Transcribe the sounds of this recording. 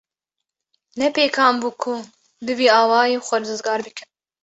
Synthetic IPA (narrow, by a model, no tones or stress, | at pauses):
nɛpeːkʰɑːmbuːkʰʊ | d̪ɨviːɑːwɑːjeːxʷɛd̪ɾɨzɡɑːɾbɨkʰɨn